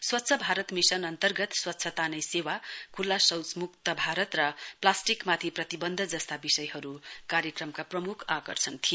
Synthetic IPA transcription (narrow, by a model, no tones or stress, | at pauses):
swʌtːsʰʌbʱaɾʌt̪misʌnʌnt̪ʌrɡʌt̪swʌtːsʰʌt̪anʌjsewakʰulːasʌwt͡smuk̚t̪ʌbʱaɾʌt̪rʌplasʈikmat̪ʰiprʌt̪ibʌnd̪ʱʌd͡zʌst̪abisʌjɦʌɾukaɾjekrʌmkaprʌmukʰakʌrsʰʌnt̪ʰi